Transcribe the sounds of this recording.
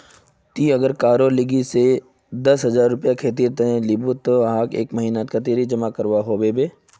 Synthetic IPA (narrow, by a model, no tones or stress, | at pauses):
t̪iɐɡəɾkaːɾolɪɡise | d̪ɐsɦɐzaːɾːʊpjakʰeːt̪̬iːɾt̪ɦɛ̃libut̪oɦaːkḛːkmɐɦiːnat̪kat̪eːɾid͡ʒɐmakəɾʋaɦoːbebeː